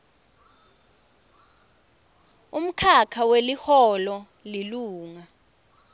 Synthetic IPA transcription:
um̩kʰakʰawelihɔlɔ | liluːŋa

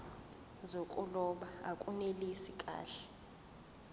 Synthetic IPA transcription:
zokʼulɔɓaakʼunelisikʼa̰ːɬɛ̥

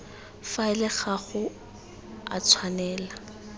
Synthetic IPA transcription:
faɪlɪχaɣʊ | a̰t͡sʰwanɛːla

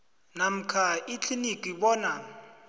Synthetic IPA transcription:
nam̩kʰait͡ɬʰinikʼiɓɔːna

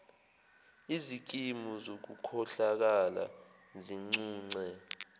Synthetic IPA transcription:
izik̬imuzok̬ukʰɔɬak̬ala̰ | ziŋ͡ǀuːŋ͡ǀɛ

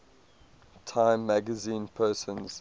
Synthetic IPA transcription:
tʰãɪ̃mːæɡəzĩːnpʰɜːsə̃nz̥

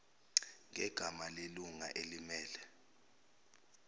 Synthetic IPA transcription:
ŋɛɡ̥ʱamaleluŋa̰ʔelimɛːlɛ

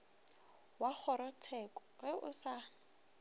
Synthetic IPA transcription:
wak͡xʰɔɾɔtʰɛkʼɔ̥ɣɛʔʊsa

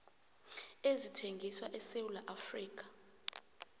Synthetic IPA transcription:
ezitʰeŋɡʱiswaʔɛsewulaʔafriːk̬ʼḁ

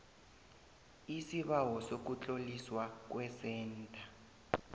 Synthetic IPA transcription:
isiɓawɔsok̬ut͡ɬʼoliswak̬wɛsɛːntʼa

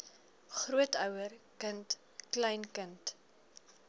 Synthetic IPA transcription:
χruətœwərkənt | klɛjnkənt

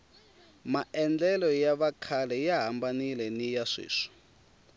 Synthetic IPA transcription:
maɛnd͡ɮɛlɔjaβakʰalɛjaɦambanilɛnijaʂḭːʂɔ̥

